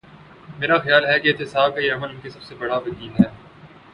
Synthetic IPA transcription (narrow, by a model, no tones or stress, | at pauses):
meːɾaxjaːlɦɛkeɪːt̪ɪsaːb̚kajeɐməlʊnkesɐb̥sebɐɽ̤aʋɐkiːnɦɛː